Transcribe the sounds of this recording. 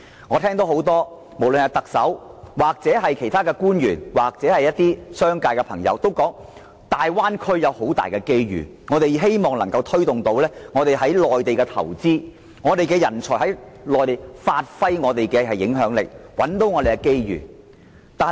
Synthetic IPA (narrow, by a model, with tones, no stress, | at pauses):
ŋɔː˨˧t̪ʰɛː˥ŋt̪o˨˥who˨˥wt̪ɔː˥ | mo˨˩wlə˨nhɐ˨˧wt̪ɐ˨k̚sɐ˨˥wwaː˨k̚t͡sɛː˨˥ɦɐ˨jkʰe˨˩jt̪ʰaː˥kɛː˧kuː˥njyː˨˩nwaː˨˩k̚t͡sɛː˨˥hɐ˨jɐ˥t̚t̪iː˥sœː˥ŋkaː˧kɛ˧pʰɐ̰˨˩ŋjɐ̰˨˧wt̪o˥wkɔː˨˥ŋ | t̪aː˨jwaː˥nkʰɵ˥ɥjɐ˨˧who˨˥wt̪a̰ː˨jkɛː˧ke˥jɥy̰ː˨˩ | ŋɔː˨˧t̪e˨jɦe˥jmɔː˨˩ŋlɐ˨˩ŋkɐ˧wt̪ʰɵ˥ɥt̪ʊ˨ŋt̪o˨˧˥wlɛː˥ŋɔː˨˧t̪e˨jɦɐ˨˥jlɔː˨jt̪e˨jkɛː˧t̪ʰɐ̰˨˩wt͡siː˥ | ŋɔː˨˧t̪e˨jkɛː˧jɐ˨˩nt͡sʰɔ˨˩ɦɐ˨˥jlɔː˨jt̪e˨jfaː˧t̚fɐ˥jŋɔː˨˧t̪e˨jkɛː˧ɦɐ˨jːɪ̰˨˥ŋɦœː˨˥ŋlɪ̰˨k̚wɐ̰˨˥nt̪o˨˥wŋɔː˨˧e˨jkɛ˧ke˥jjy̰ː˨˩ | t̪aː˨